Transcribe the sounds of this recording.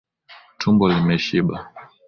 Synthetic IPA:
tʰumbɔlimɛʃiɓa

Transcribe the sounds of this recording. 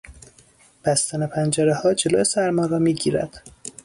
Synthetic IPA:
b̥æst̪ænepʰænd͡ʒæɾehɒːd͡ʒe̞loːesæɾmɒːɾɒːmiːɟiːɾæ̰d̪̥

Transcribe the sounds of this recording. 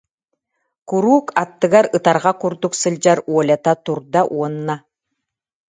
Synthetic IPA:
kuɾuːkat̪ːɯɡaɾɯt̪aɾʁakuɾd̪uksɯlʲd͡ʑaɾuɔlʲat̪at̪uɾd̪aʔuɔnːa

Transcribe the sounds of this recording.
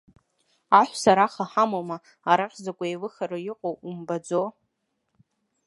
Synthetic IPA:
aħʷsaɾaχaħamoma | aɾaχʲzakʷʼaelɨχaɾɨjɪqʼowumbad͡zo

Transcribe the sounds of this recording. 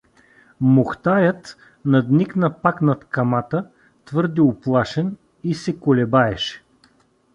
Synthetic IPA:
mʊxt̪ajət̪ | nɐd̪niknɐpaknɐt̪kɐmat̪ə | t̪vɤɾd̪iʊplˠaʃɛn | isɛkʊlɛbaɛʃɛ̥

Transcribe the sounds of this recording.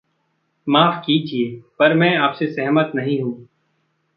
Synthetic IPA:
maːfkid͡ʒieːpɐɾmɛ̃aːpsesɛɦmət̪nɐɦĩɦũː

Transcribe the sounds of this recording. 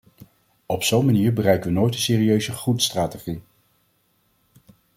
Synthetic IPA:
ɔpsownmaniːɹbərɛjkəʋənojtənsɪːriøɥzəχutstraːteχi

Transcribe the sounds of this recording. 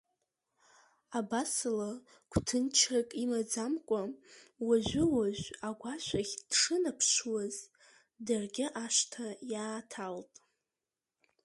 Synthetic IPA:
abasɨla | kʷʰtʰɨnt͡ʃʰakʼimad͡zamkʷʼawaʒʷɪwaʒᶣʷaɡʷaʃʷaχʲd̥ʂɨnapʰʃwaz | darɡʲɪʔaʃtʰajaːtʰaltʼ

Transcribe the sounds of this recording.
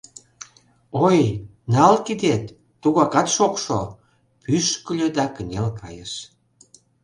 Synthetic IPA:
oj | nɑlkid̪et̪ː | uɣɑkɑt̪ʃokʃo | pyʃkəlʲød̪ɑkə̆nʲelkɑjəʃ

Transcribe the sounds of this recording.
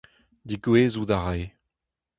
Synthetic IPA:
d̪iɡweːzud̪aʁaj

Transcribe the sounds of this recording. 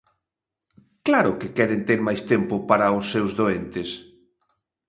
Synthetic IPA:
klaɾʊkɪkɛɾent̪eɾmajst̪empʊpaɾaʊsːewzðoent̪ɪs

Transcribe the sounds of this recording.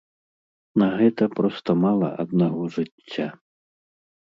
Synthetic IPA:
nɐɣɛt̪ɐpɾɔst̪ɐmalˠɐ̰ʔɐ̰d̪naɣɔʐɨt͡sʲːa

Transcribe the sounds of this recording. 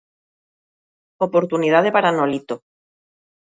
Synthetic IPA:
opoɾt̪unið̞aðepaɾanolit̪o

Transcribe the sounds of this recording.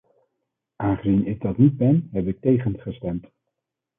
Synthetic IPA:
ʔaːnχəzinɪɡ̚dɑtnid̚bɛnɦɛpɪk̚tejχənχəstɛmt

